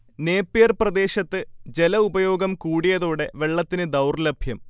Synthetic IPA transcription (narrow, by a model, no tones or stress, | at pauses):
neːpːeːrprɐd̪e̞ːɕɐt̪ːɨd͡ʑe̞lɐubɐjo̞ːɡɐmkuːɽijɐðoːɽe̞ʋe̞ɭːɐt̪ːinɨd̪ɐwrlɐbʱjɐm